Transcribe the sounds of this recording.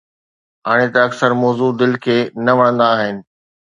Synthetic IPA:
ɦaːɽ̃et̪ɐɐksəɾmɔːzud̪ɪlkʰeːnɐʋɐɽə̃nd̪aːɦɪnɪ̆

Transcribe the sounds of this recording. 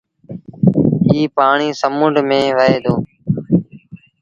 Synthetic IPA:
iːpaːɳiːsəmʊɳɖʱmẽːʋəeːd̪oː

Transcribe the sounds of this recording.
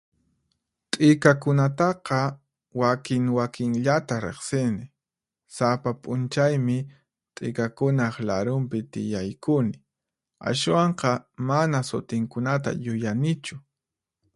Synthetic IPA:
t̪ʼɪkakʊnat̪ɑqɑ | wakɪŋwakɪŋʎat̪aɾḛχsɪnɪ | sapapʼʊnt͡ʃajmɪ | t̪ʼɪ̰kakʊnɑχlaɾʊmpɪt̪ɪ̰jajkʊnɪ | a̰ʃwɑɴqɑmanasʊt̪ɪŋkʊnat̪̬a̰jʊjanɪt͡ʃʊ

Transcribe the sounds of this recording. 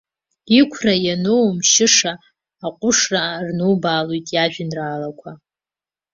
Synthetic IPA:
ikʷʰrajanowmʃɪʂaː | qʷʼʊʂrarnuwbaːlojtʼjaʒᶣɪnraːlakʷʰa

